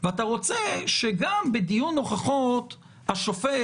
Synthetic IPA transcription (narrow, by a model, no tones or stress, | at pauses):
veat̪aʁo̞t͡seʃeɡambed̪ijunːo̞χaχot̪ | haʃofe